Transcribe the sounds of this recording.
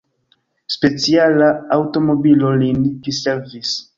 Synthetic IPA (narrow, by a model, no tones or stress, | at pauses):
spe̞t͡sialaːwto̞mobilolinɡiseɾvis